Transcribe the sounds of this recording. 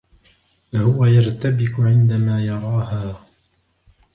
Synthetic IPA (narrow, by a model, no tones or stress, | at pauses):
hʊwajaɾˤt̪abɪqʊʕɪnd̪amaːjɑɾˤɑːhaː